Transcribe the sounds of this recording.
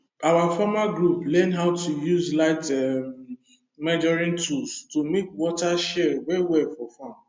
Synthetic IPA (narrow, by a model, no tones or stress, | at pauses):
awafɔmaɡɹuplɛ̃nɦaʊtʰujuzlaɪtɛm | mɛd͡ʒɔɹĩntʰulstomekwɔtaʃɛɹwɛiwɛlfɔfam